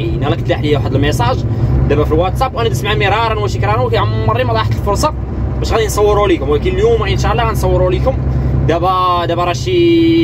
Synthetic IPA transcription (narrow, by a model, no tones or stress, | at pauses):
inælːæk̚t̪læħləjːæwaħəd̪lmesˤɑʒd̪æbæfilwæt̪sæbwʔænæd̪əsmaʕmiɾˤɑɾˤɑnwæʃikɾˤɑnuwækæjʕamːəɾˤːimɑd̪ˤɑħt̪əlfʊɾˤsˤɑ | bæʃɣæd̪insˤɑwːəɾulikʊmwlækənəljumʔənʃæʔlːɑnsˤɑwːəɾulikʊmd̪æbæd̪æbæɾˤɑʃi